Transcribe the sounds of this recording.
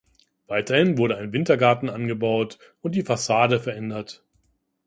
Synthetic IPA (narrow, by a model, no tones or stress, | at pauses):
v̥aɪtɐhɪnvʊɐɾəaɪnvɪntɐɡaɐtn̩ʔanɡəbaʊt | ʊnt̚d̥iːfasaːdəfɛɐʔɛndɐt